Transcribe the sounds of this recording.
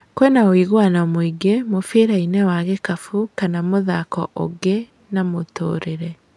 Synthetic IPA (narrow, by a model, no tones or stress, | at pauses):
kwɛnaoiɣwanamoiɡemofeɾainɛwaɣekafukanamoðakɔ̰ʔo̰ɡe | namotoːɾeɾɛ